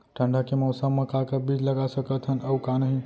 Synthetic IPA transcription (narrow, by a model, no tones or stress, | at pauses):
ʈʰə̃ɳɖakemɔsəmmːə̃kakəbid͡ʒləɡasəkət̪ɦənəwkanəɦĩ